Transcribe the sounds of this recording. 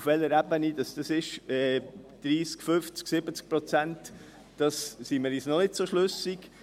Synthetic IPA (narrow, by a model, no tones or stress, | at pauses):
fʋɛləɾæbənid̥ɑsd̥ɑsɪʃɛd̪̥ɾiːskfʏft͡sksɪbət͡sk̚pɾɔt͡sænt | d̥ɑssiməɾisnɔnɪdsoʃløsiɡ̥